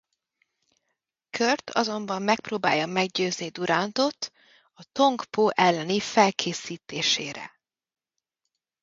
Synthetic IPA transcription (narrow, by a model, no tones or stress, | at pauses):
kʰørt̪ʰɒ̰zo̞mbɒmːɛk̚proːbaːjːɒmɛɡɟøːznid̪uɾaːnt̪o̞t̪ | ɒt̪o̞ŋkpoːʔɛlːɛnifɛlkʰeːsiːt̪eːʃeːɾɛ̰